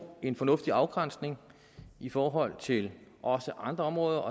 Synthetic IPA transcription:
e̝nfɒ̽nɔ̽fd̥iɑ̈ʊɡ̥ʁan̰sne̝ŋ | ifɒːɦɒ̽l̰t͡sʰe̝lʔɒ̽səʔɑ̈nd̥ʁɐɒ̽mʁɔ̽ːðˠɐɒ̽

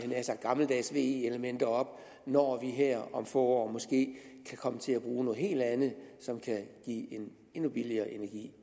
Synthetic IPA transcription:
ænæɐsɑ̥̈ɡ̥ɑ̈ml̩d̥ɛsʋe̝̰ːeeləmen̰d̥ɐɒ̽b̥ | nɒʋiɦeɐ̰ɒ̽mfɔ̰ːɒ̰ːmɒ̽sɡ̥e̝̰ːkʰækʰɒ̽mət͡sʰe̝læb̥ʁuːnoːð̩ˠhe̝̰ːld̥ænð̩ˠsɒ̽mkʰæɡ̥ḭːe̝n | e̝nub̥iliɐːʔe̝næɐɡ̥ḭː

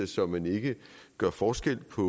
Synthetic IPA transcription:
sɒ̽mːæne̝ɡ̥əɡ̥ɶɐ̰fɒːsɡ̥el̰pʰɒ̽

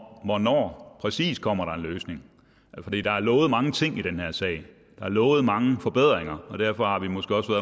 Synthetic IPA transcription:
ʋɒnɒ̰ːpʰʁɛsḭːskʰɒ̽m̰ɐɾ̥ɑ̈e̝nløːsne̝ŋ | fɒ̽d̥ḭːd̥ɑ̈æɐlɔ̽ːʊð̩ˠmɑ̈ŋət͡sʰe̝ŋ̰iɾ̥enheɐsɛ̰ɪ | d̥ɑ̈æɐlɔːʊð̩ˠmɑ̈ŋəfɒ̽b̥eð̞̰ˠʁeŋɐɒ̽d̥æɐ̰fɒ̽hɑ̈ʋimɒ̽sɡ̥e̝ːɒ̽sʋæɐðˠ

